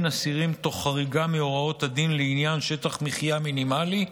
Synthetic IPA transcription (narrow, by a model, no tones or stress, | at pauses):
nasiʁimt̪o̞χaʁiɡameo̞ʁao̞t̪had̪inleinjanʃe̞t̪aχmiχijaminimali